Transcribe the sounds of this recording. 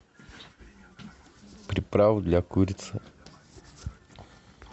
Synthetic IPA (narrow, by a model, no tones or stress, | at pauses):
pɾʲɪpɾavd̪lʲakuɾʲɪt̪sə